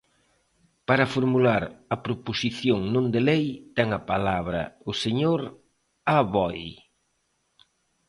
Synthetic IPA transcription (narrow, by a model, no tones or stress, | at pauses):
paɾɐfoɾmulaɾɐpɾoposiθjoŋnõnd̪elejt̪ɛŋɐpalaβɾɐ̰ʊseɲoɾ | aβɔj